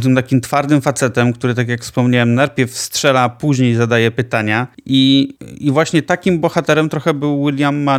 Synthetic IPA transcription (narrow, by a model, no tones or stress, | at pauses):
t̪ɘmt̪akʲimt̪faɾd̪ɘmfat̪sɛt̪ɛmk̚t̪uɾɘt̪akʲjakfspɔmɲawɛmnaɾpʲjɛfstʂɛlapuʑɲejzad̪ajɛpɘt̪aɲaʔiivwaɕɲɛt̪akʲimbɔxat̪ɛɾɛmt̪ɾɔxɛbɘwːilʲjamːa